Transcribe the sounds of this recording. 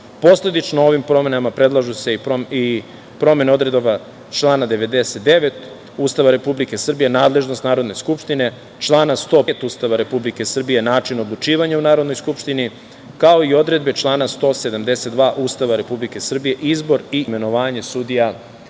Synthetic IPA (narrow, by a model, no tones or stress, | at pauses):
po̞sle̞d̪it͡ʃnoo̞ʋimpɾo̞me̞namapɾe̞d̪lˠaʒuseoi | pɾo̞me̞neo̞d̪ɾe̞d̪ʋa | t͡ʃlˠaːnad̪e̞ʋe̞d̪e̞se̞t̪̚d̪e̞ʋe̞t̪ | uːst̪aʋaɾe̞publike̞sr̩bije̞naːd̪le̞ʒno̞st̪naːɾo̞d̪neskupʃt̪ine̞ | t͡ʃlˠaːnast̪o̞ːet̪uːst̪aʋaɾe̞publike̞sr̩bije̞naːt͡ʃino̞d̪lˠut͡ʃiːʋaɲaunaːɾo̞d̪nojskupʃt̪ini | kao̞io̞d̪ɾe̞d̪be̞t͡ʃlˠaːnast̪o̞ːse̞d̪amd̪e̞set̪d̪ʋaːʔuːst̪aʋaɾe̞publike̞sr̩bije̞ʔizbo̞ɾime̞no̞ʋaːɲe̞sud̪ija